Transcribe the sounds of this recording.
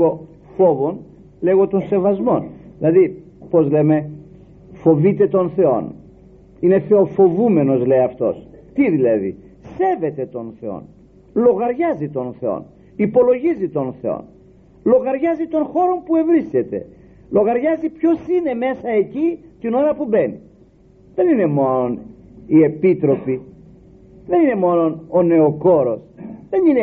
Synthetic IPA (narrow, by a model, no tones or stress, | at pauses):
o | fo̞vo̞n | leɣo̞t̪o̞nse̞vɐzmo̞nðilɐðipo̞zle̞me̞ | fo̞vit̪e̞t̪o̞nθe̞o̞̰n | ine̞θe̞o̞fo̞vume̞no̞zle̞jɐft̪o̞̰st̪iðilɐðḭ | se̞ve̞t̪e̞t̪o̞nθe̞o̰n | lo̞ɣɐɾʝɐzit̪o̞nθe̞o̞̰n | ipo̞lo̞ʝizit̪o̞nθe̞o̰n | lo̞ɣɐɾʝɐzit̪o̞nxo̞ɾo̞mpue̞vɾisce̞t̪e̞̰ | lo̞ɣɐɾʝɐzipço̞sine̞me̞sɐe̞cit̪ino̞ɾɐpube̞ni | ðe̞nine̞mo̞non | ie̞pit̪ɾo̞pi | ðe̞nine̞mo̞no̞none̞oko̞ɾo̞sðe̞nine